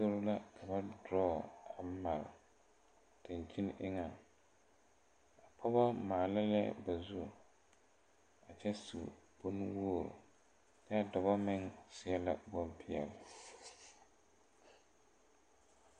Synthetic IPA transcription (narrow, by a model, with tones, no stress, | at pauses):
so˦ɾʊ˦la˦kʰa˨ba˦dɔː˦a˨˦ma˨l̰ | tɪ˨n˨t͡ʃi˦n˦ʔɪ˦ŋa˨ | a˨pʰɔ˦bɔ˦maː˨la˦lɛ˦ba˨zu˦ | a˨t͡ʃɛ˦sṵ˨bʊ˦n˦woː˦˨ɾʊ̰˨ | ta˦a˦dɔ˨ba˦mɪ˦ŋsɪ˦ɛ˦la̰˨bɔ˦mpɪ˦ɛ̰˨l